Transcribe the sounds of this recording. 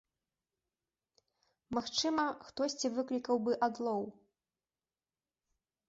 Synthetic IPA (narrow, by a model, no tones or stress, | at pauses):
maxt͡ʂɨmɐxt̪ɔsʲt͡sʲivɨklʲikɐwbɨʔad̪lˠɔw